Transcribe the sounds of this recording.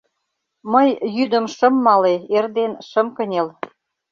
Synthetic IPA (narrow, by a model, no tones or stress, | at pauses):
məjjyd̪ə̆mʃə̆mːɑleerd̪enʃə̆mkənʲel